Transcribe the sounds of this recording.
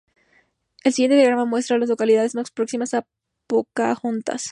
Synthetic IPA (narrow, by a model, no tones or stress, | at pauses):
elsiɣjet̪e̞jaɣɾamamwe̞st̪ɾalazlo̞kaliðaðe̞zmaspɾo̞ksimasa | pokaxunt̪a̰s